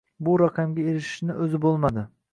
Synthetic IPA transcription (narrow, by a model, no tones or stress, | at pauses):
bʊɾɑqʰɑmɡʲaeɾɪʃɪ̥ʃnɪʔɵzɪbolˠmad̪ɪ